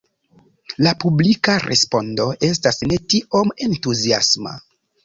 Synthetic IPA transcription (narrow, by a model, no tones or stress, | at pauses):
lapublikaɾʔḛspo̞ndo̞ʔe̞s̬tasne̞tio̞me̞ntuzia̰sma̰